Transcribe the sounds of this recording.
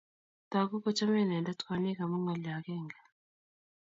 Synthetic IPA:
ta˨ku˦kɔ˦t͡ʃa˦mɛ˦˨na˨nda˦tka˨ni˦ka˨mu˦ŋɔ˨la˨kɛ˦˨ŋɡa˨

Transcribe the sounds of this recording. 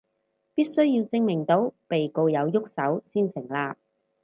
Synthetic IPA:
piː˥t̚sɵ˥ɥjiː˧wt͡sɪ˥ŋmɪ˨˩ŋt̪o˨˥wpe˨jko˧wjɐ˨˧wjʊ˥k̚sɐ˨˥wsiː˥nsʰɪ˨˩ŋlaː˧p̚

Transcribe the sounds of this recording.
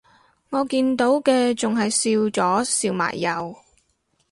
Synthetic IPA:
ŋɔː˨˧kiː˧nt̪o˨˥wkɛː˧t͡sʊ˨ŋɦɐ˨jsiː˧wt͡sɔː˨˥siː˧wma̰ː˨˩jːɐ˨w

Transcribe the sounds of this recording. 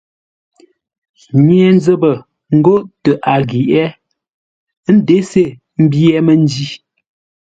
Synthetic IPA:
ɲjɛ˨n˦zə˦bə˨ | ŋ̩˦ɡo˦ʔtə˨ʔa˨ɡi˨ʔɛ˦ | n̩˦de˨˦se˦˨ | m̩˦bjɛ˦mə˦n˦d͡ʒi˦

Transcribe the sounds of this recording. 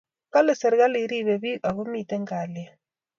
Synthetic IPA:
ka˦le˨se˨ɾɣa˦li˦ɾi˦βɛ˨βi˦ʔa˨ɣu˦mi˨tɛ˦ŋɡa˨lja˦

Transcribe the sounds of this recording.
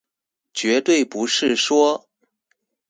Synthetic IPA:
t͡ɕɥɛ˧˥t̪we˥˩ɪpu˧˥ʂɻ̩˥˩ʂwɔ˥

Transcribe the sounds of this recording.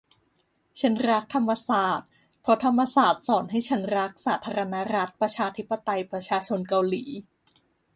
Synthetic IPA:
t͡ɕʰa˦˥nɾa˦˥k̚t̪ʰa˧mːa˧saː˨˩t̪̚ | pʰɾɔ˦˥t̪ʰa˧mːa˧saː˨˩t̪̚sɔː˩˦nɦa˥˩jt͡ɕʰa˦˥nɾa˦˥k̚saː˩˦t̪ʰaː˧ɾa˧na˦˥ɾa˦˥t̪̚pɾa˧t͡ɕʰaː˧t̪ʰi˦˥pːa˧t̪a˧jpɾa˧t͡ɕʰaː˧t͡ɕʰo˧nka˧wliː˩˦

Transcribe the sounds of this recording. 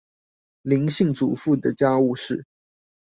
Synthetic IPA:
li˧˥ŋɕi˥˩ŋt͡sṵ˨˩fu˥˩d̪ə˩t͡ɕja˥u˥˧ʂɻ̩˥˩

